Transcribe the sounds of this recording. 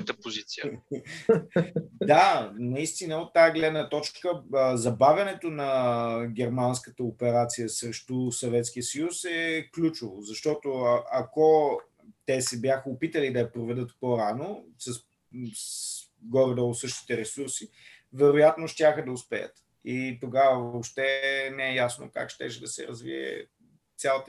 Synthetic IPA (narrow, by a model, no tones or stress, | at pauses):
t̪əpozit̪siə | d̪anɐist̪inəot̪ːajaɡlɛd̪nət̪ɔt͡ʃkəzɐbavʲɐnɛt̪onɐɡ̟ʲɛɾmanskət̪əopɛɾat̪sijəsɾɛʃt̪usɐvɛt̪skijəsɐjusɛklʲut͡ʃovozɐʃt̪ɔt̪ʊʔɐko | t̪ɛsɛbjaxəopit̪əlid̪ɐɐpɾovɛd̪ət̪poɾanosɐs | ɡɔɾəd̪əʊt̪sɤʃt̪i̥t̪ɛɾɛsuɾsi | vɛɾojat̪noʃt̪ʲjaxəd̪ɐʊspɛjə̰t̪ | it̪oɡavəvopʃt̪ɛnɛɛjasno̰ka̰kʃt̪ɛʃɛd̪ɐsɛ̰ɾɐzvḭɛ̰ | t̪sʲjalˠət̪